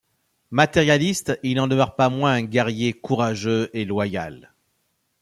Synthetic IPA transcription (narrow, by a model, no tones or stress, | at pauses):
mat̪ɛʁjalist̪ilnɑ̃d̪əmœʁpamwɛ̃ɛ̃ɡʲɛʁjekuʁaʒøelwaja̰l